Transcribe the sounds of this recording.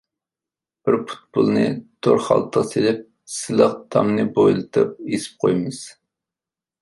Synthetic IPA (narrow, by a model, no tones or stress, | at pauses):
b̥ɪɾpʰu̥t̪̚bulˠnɨt̪ʰoɾχɑ̰lˠt̪ʰːəʁselɪp̚ | sɪləqt̪ʰɑmnɨbojlˠɨt̪ʰɨp̚esɪ̥p̚qʰojmɨz̥